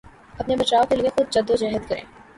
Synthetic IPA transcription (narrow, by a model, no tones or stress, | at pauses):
ɐpnebɐt͡ʃaːokeliexʊd̪̚d͡ʒɐd̪ːod͡ʒɛːɦəd̪kɐɾḛ̃ː